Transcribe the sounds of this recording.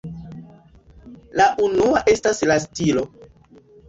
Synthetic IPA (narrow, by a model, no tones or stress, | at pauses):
laʔunuaʔe̞staslastilo̞